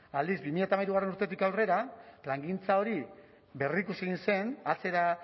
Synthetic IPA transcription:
ald̪izbimiʎat̪amajɾuɣ̞arenuɾt̪e̞t̪ikawre̞ɾaplaŋɡint͡sao̞ɾi | be̞rikuse̞ɣinse̞nat͡se̞ɾa

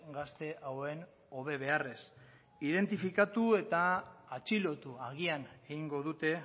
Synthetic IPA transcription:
ɡast̪e̞ʔawe̞n | o̞β̞e̞β̞e̞are̞s | iðe̞nt̪ifikat̪ue̞t̪aːt͡ʃilo̞t̪uaɣ̞iane̞ɣiŋɡo̞ðut̪e̞

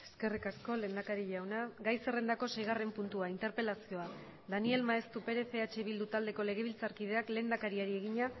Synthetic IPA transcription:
e̞ske̞rikasko̞le̞nd̪akaɾiʎawnaɡajse̞re̞nd̪ako̞se̞jɣ̞are̞mpunt̪uaint̪e̞ɾpe̞lasio̞a | ðanie̞lmaest̪upe̞ɾe̞fe̞at͡ʃeβ̞ild̪ut̪ald̪e̞ko̞le̞ɣ̞e̞βilt͡saɾkið̞e̞akle̞ːnd̪akaɾiaɾieɣiɲa

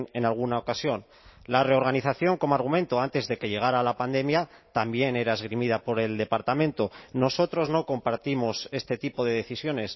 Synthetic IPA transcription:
e̞nalɣ̞unao̞kasjo̞n | lare̞o̞ɾɣaniθaθjo̞ŋko̞moaɾɣ̞umẽ̞nt̪oant̪e̞zðe̞ke̞ʎe̞ɣ̞aɾaːlapand̪e̞mja | t̪ambje̞ne̞ɾaezɣ̞ɾimið̞apo̞ɾe̞ld̪e̞paɾt̪amẽ̞nt̪o̞no̞so̞t̪ɾo̞znoko̞mpaɾt̪imo̞se̞st̪e̞t̪ipo̞ð̞e̞ð̞e̞θisjo̞ne̞s

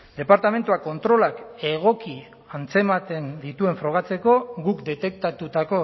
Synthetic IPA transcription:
d̪e̞paɾt̪ame̞nt̪uako̞nt̪ɾo̞lake̞ɣ̞o̞ki | ant͡se̞mat̪e̞nd̪it̪ue̞ɱfɾo̞ɣ̞at͡se̞ko̞ɣukd̪e̞t̪e̞k̚t̪at̪ut̪ako̞

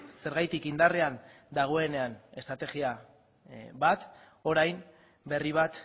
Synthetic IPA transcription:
se̞ɾɣajt̪ikind̪arean | d̪aɣ̞oe̞ne̞ane̞st̪ɾat̪e̞ɣia | βat̪ | o̞ɾajm | be̞riβ̞at̪

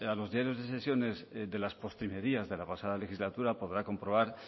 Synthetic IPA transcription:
alo̞zðjaɾjo̞zðe̞se̞sjo̞ne̞zðe̞laspo̞st̪ɾime̞ɾiazðe̞lapasaðale̞xizlat̪uɾapo̞ðɾako̞mpɾo̞β̞aɾ

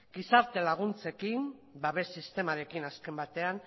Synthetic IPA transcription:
ɡ̥isaɾt̪e̞laɣ̞unt͡se̞kinbaβe̞sːist̪e̞maɾe̞kinaske̞mbat̪e̞an

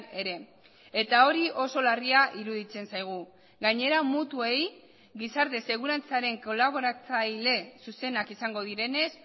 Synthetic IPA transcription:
e̞ɾe̞ | e̞t̪ao̞ɾio̞so̞lariaʔiɾuðit͡se̞nsajɣ̞u | ɡaɲe̞ɾamut̪ue̞j | ɡisaɾt̪e̞se̞ɣ̞uɾant͡saɾe̞ŋko̞laβ̞o̞ɾat͡sajle̞suse̞nakisaŋɡo̞ð̞iɾe̞ne̞s

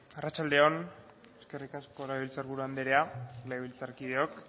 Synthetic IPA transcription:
arat͡ʃald̪eo̞n | e̞ske̞rikasko̞leeβilt͡saɾβuɾuand̪eɾealeeβilt͡saɾkið̞eo̞k

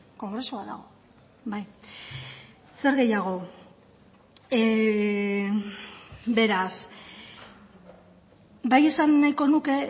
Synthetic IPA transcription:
ko̞ŋɡɾe̞suaða̰ɣ̞o̞ | baj | se̞ɾɣe̞jaɣ̞o̞ | be̞ɾas | baje̞sanːajko̞nuke̞

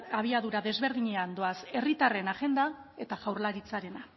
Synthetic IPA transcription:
aβ̞iaðuɾaðe̞zβe̞ɾðiɲe̞and̪o̞ase̞rit̪are̞naɣe̞nd̪ae̞t̪aɣawɾlaɾit͡saɾe̞na

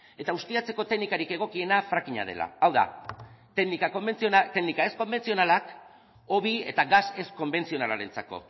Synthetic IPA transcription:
e̞t̪aust̪iat͡se̞ko̞t̪e̞ɡnikaɾike̞ɣ̞o̞kie̞nafɾakiɲa̰ð̞e̞̰la̰awða̰t̪enikaoent͡st̪eknikae̞sko̞mbe̞nt͡sio̞nalak | o̞βie̞̰t̪aɣase̞sko̞mbe̞nt͡sio̞nalaɾe̞nt͡sako̞̰

